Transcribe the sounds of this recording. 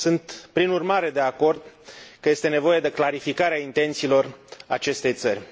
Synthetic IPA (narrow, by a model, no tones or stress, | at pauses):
sɨnt̪pɾinurmaɾe̞d̪e̞ako̞rd̪kəje̞st̪e̞ne̞vo̞je̞d̪e̞klaɾifikaɾeaint̪e̞nt̪silo̞ra̰t͡ʃe̞st̪e̞jt̪sərʲ